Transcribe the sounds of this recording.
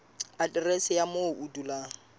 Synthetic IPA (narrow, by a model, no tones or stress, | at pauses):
adʼɪresɪjamoʔudula